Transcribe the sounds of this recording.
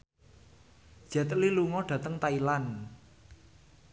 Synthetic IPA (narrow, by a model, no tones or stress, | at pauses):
ʒ̥ɛ̤t̪liluŋɔɖ̥ä̤t̪əŋt̪ailan